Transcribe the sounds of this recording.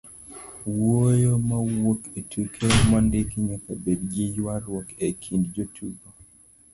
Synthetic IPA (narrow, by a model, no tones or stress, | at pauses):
wojomawoketʰukʰemandɪkiɲɔkabedɡijwaɾwɔkekʰindd͡ʒotʰuɡo